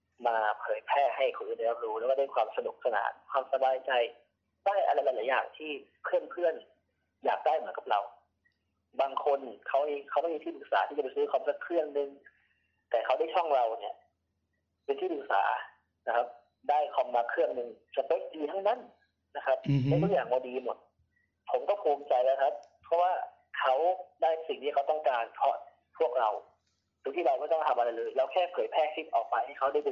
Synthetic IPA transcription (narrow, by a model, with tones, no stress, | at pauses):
maː˧pʰɤː˨˦jpʰɛː˧˩ha˧˩jkʰa˧˩wjda˧˩ja˧p̚ɾuː˧˦lɛː˧˦wa˧˩da˥˩˨kʰwaː˧msa˧du˨˩˦k̚sa˧na̰ː˧˩˦kʰwaː˧msa˧baː˧jt͡ɕa˧j | daː˥˩jʔa̰˧la˧˦jla˨˦jlaː˨˦ja̰ː˨˩ŋt̪ʰiː˥˩ | kʰɯ˥˩əŋkʰɯ˥˩ən | jaː˨˩k̚daː˥˩jmɯ˨˦ənka˨˦p̚ɾa̰˧w | baː˧ŋkʰo˧nkʰa˧˩wiː˧˩kʰa˧˩wma˥˩jmiː˧t̪ʰiː˥˩pʰɯ˨˩k̚sa̰ː˨˦t̪ʰiː˧˥˩t͡ɕa˩pa˧˩sɯː˧˥kʰɔː˧˩˨sa˧˥kʰːɾɯ˥˩əŋnɯ˧ŋ | t̪ɛː˨˩kʰa˧˩wda˥˩˨jt͡ɕʰɔ˥˩ŋɾa˧wni˧˩ə | pe˧nt̪ʰiː˥˩p̪ʰɯ˨˩k̚sa̰ː˩˦ | na˦˥kʰa˦˥p̚ | daː˥˩jkʰɔ˧˩mːaː˧kʰɾɯ˥˩əŋnɯ˧ŋt͡ɕa˨˩pɤː˧˥diː˧t̪ʰa˥˩ŋna˥˩˨n | na˦˥kʰa˦˥p̚ma˧˥jt̪u˦˥˩jaː˨˩ŋbɔː˧˦diː˧mo˨˩t̪̚ | pʰo˨˦mkɔː˥˩pʰuː˨˧mt͡ɕa˧jlɛː˦˥wkʰa˦˥p̚pʰːɔ˦˥waː˥˩ | kʰa˦˥wdaː˥˩jsi˨˩ŋt̪ʰiː˥˩kʰa˦˥wt̪ɔ˥˩ŋkaː˧npʰɔ̰˦˥ | pʰu˥˩ək̚ɾa˧w̪ʰ | u˧˥˩t̪i˥˩a˧wkɔː˥˩t̪ɔ˥˩ŋt̪ʰa˧mʔa˧ɾa˧˥jlɤː˧jlɛː˦˥wkʰɛː˥˩kʰɤː˨˩t̪̚pʰɛː˥˩sʰi˦˥t̪̚ʔɔː˨˩k̚pa˧jha˥˩jkʰa˦˥wdaː˥˩jduː˧